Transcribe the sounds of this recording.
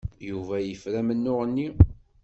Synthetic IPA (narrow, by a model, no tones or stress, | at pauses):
juvæjəfɾæmənːʊʁənːi